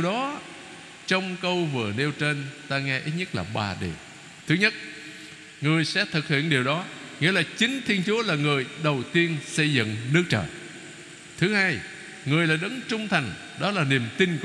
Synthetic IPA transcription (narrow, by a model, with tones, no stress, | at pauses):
wɗɔ˨˦ | t͡ɕɔ˧wŋ͡mkə˧wvɨ˨˩əne˧wt͡ɕe˧nt̪aː˧ŋɛ˧ʔi˦˥t̚ɲə˦˥t̚laː˨˩ɓa̰ː˨˩ɗḛ˧˨˩ | t̪ʰɨ˨˦ɲə˦˥t̚ | ŋɨ˨˩əjsɛ̰˧˥t̪ʰɨ˨˩k̚hḭ˧˨ənɗi˨˩əwɗɔ˨˦ | ŋḭ˧˥əlaː˨˩t͡ɕï˨˦ŋ̟t̪ʰi˧ənt͡ɕu˨˦əlaː˨˩ŋɨ˨˩əjɗə˨˩wt̪i˧ənsə˧jzɨ̰˧˨ŋnɨ˦˥ək̚t͡ɕə̰ː˧˨˩ | t̪ʰɨ˨˦haː˧j | ŋɨ˨˩əjlaː˨˩ɗə˨˦nt͡ɕʊ˧ŋ͡mt̪ʰa˨˩ŋ̟ | ɗɔ˨˦laː˨˩ni˨˩əmt̪i˧nk